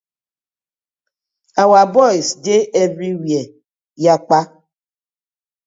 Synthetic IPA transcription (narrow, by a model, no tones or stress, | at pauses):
awabɔisd͡ʒeʔeviwje | jak͡pa